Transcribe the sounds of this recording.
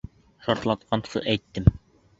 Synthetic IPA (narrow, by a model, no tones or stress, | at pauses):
ʃɑɾt̪lˠɑt̪qʰɑnsɤ̰ʔæjt̪ːɘm